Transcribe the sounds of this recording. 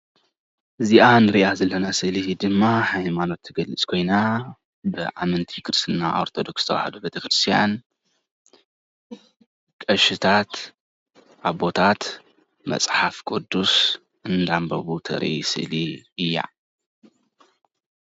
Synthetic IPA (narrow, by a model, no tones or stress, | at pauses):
ʔɨziʔanɨɾiʔazɐlːɐnasɨlid̪ɨmːaħajmano̞t̪ʰːɨɡɐlɨt͡sʼkʰo̞jna | bɨʔamɨnt̪ʰikʰɨɾsɨnːa̰ʔo̰ɾt̪ʰo̞d̪o̞ksɨt̪ʰɐwa̰hɐd̪ubet̪ʰɐkɾɨst̪ʰija̰n | kʼɐʃɨt̪ʰat̪ | ʔaβbo̞t̪ʰat̪ | mɐ̰t͡sʼħafkʼud̪ːus | ʔɨnd̪ambɐ̰βut̪ʰɐ̰ɾʔʔḭsɨ̰ʔliɨjːa̰